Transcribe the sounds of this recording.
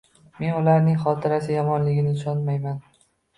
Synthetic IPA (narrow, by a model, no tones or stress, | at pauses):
me̞nʊlaɾnɪŋχɒt̪ʰɪɾasɪjɒmɒnlɪɡʲɪnɪɪʃɒnmajman